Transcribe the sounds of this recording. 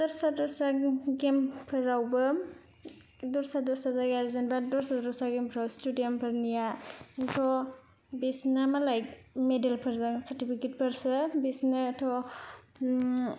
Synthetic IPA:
dɔɾsadɔɾsaɡempʰɯɾawbɯ | dɔɾsadɔsazaɡazenbadɔɾsadɔsaɡempʰɯɾawstudijɔmpʰɯɾnijatʰɔ | bisnamalajkmedelpʰɯɾzɯŋsaɾtipʰiket̚pʰɯɾsɯbisnɯtʰɔ

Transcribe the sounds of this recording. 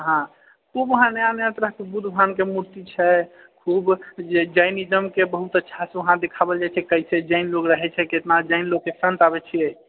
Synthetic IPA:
ɦã | kʰubəɦãneãnjãt̪ɾəɦkebud̪ʱbʱankemuɾt̪it͡ʃʰɛ | kʰubd͡ʒed͡ʒajnid͡ʒəmkebəɦut̪ətːʃʰaseəɦãd̪ekʰabəld͡ʒat͡ʃʰɛkəjt͡ʃʰɛd͡ʒaɪnloɡɾəɦɛt͡ʃʰɛket̪nad͡ʒajnloɡ̚kesə̃nt̪abɛt͡ʃʰie

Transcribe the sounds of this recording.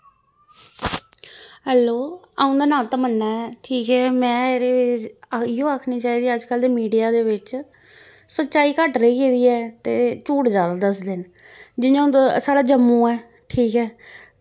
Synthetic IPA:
ɦɛːloː | aːʊ̃ːd̪aːnaːlt̪aːmənːaːɛːʈʰiːkɛːmɛ̃ːeːɾeːʋɪɪjõːaːkʰniːt͡ʃaːiːd̪iːəd͡ʒkəld̪eːmiːɖijaːd̪eːʋɪt͡ʃ | sət̪ːt͡ʃaːiːkəʈɾeiːkeːd̪iːɛːt̪eːt͡ʃuːʈd͡ʒaːd̪aːd̪əsd̪ɪn | d͡ʒɪnãd̪saːɽaːd͡ʒəmːũːɛː | ʈʰiːkɛː

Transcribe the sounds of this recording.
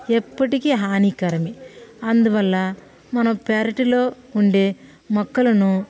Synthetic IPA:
epːɐʈikiɦaːniːkɐɾɐmiɐnd̪uʋɐlːɐ | mɐnɐmpaːɾɐʈilo̞ː | uɳɖeː | mɔkːɐlɐnu

